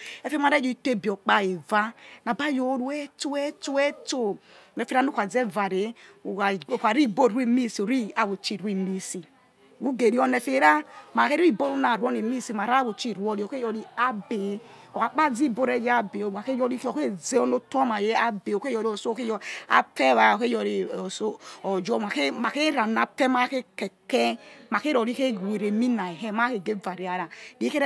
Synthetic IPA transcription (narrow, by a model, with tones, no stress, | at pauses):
ɛ˨fe˦m˦a˨ɾe˦d͡ʒi˦˨te˦˨bɔ˨k͡pa˦e˨va˦na˨ba˦jo˨˦ɾu˨˦ɛ˦to˦ɛ˦to˦ɛ˦to˦˨nɛ˨fe˦ɾa˦nu˦kʷa˨ze˦va˨ɾe˨˦˨ | ka˨ɾi˦˨bo˦˨u˦i˦mi˦si˨o˨ɾi˦a˨wo˨t͡ʃi˦˨ɾi˦mi˦si˨ | u˦ɡe˨ɾi˦ɔ˦ne˨fe˦ɾa˦ma˨ke˦ɾi˦˨bo˦ɾu˦na˨ɾɔ˦ni˨mi˦si˨ma˨ɾa˦wo˨t͡ʃi˦˨ɾwɔ˦li˨ɔ˨ke˦jɔ˨li˦a˦be˨˦ | o˨a˨k͡pa˦d͡zi˦˨bo˦ɾe˦d͡ʒa˦be˨o˨a˨ke˦jɔ˦ɾi˦ko˨ke˦ze˦o˦no˦to˦ma˨je˦a˦be˨o˨ke˦jɔ˨ɾi˨o˨so˦ke˦jɔ˦a̰˨pe˦βa˨o˨ke˦jɔ˨ɾe˨so˦o˨d͡ʒɔ˦ma˨ke˦ma˨ke˦ɾa˨na˨pe˦ma˦ke˦ke˨kɛ˦ma˨ke˦ɾo˨ɾi˦ke˦˨we˨ɾe˨mi˦na˨e˨ɦe˦ma˦ke˨ɡe˦va˨ɾi˨˦a˨ɾa˨di˦ke˦ɾ